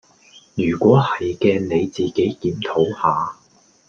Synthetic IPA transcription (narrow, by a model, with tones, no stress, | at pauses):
jyː˨˩kʷɔː˨˥hɐ˨jkɛː˧ne˨˧jt͡siː˨ke˨˥jkiː˨˥mt̪ʰo˨˥whaː˨˧